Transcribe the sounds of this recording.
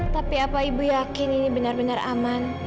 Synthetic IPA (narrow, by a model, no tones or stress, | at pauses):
t̪apiapaibujakɪninibənarbənara̰man